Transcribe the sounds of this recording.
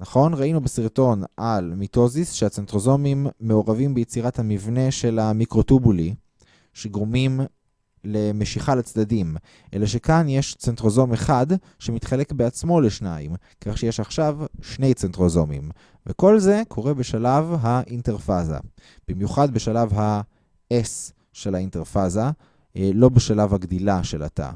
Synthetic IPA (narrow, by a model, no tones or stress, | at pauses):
naχo̞nʁainubesiʁto̞nalmito̞zisʃeat͡sentʁo̞zo̞mimːe̞o̞ʁavimbejet͡siʁathamivne̞ʃe̞lamikʁo̞tubuli | ʃeɡʁomim | le̞meʃiχalat͡sdadim | ʔe̞̰laʃekanjeʃt͡sentʁo̞zo̞me̞χad | ʃemit̪χalekbeat͡smo̞leʃnaim | kaχʃejeʃaχʃavʃne̞jt͡sentʁo̞zo̞mḭm | veko̞lzekʰo̞ʁe̞beʃalavɦaʔinteʁfaza̰b̥imjuχad̪beʃalavɦa | es | ʃelainteʁfaza | lo̞beʃalavhaɡd̪ilaʃela̰ta̰